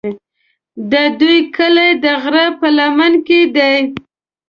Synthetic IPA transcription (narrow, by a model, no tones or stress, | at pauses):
d̪əd̪ujkəlajd̪əɣɾapəlamanked̪aj